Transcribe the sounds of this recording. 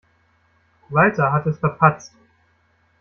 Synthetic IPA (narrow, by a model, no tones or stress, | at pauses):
vaɪtɐɦatɛsfɛɐpʰat͡st